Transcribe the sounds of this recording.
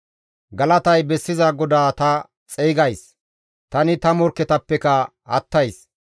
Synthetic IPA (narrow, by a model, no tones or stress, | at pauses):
ɡɐlɐt̪ɐjbɛsːɪzaɡɔd̪aːt̪ɐ | t͡sʼɛːɡɐjs | t̪ɐnɪt̪ɐmɔɾkːɛt̪ɐpːɛkɐ | hɐ̰t̪ːɐjs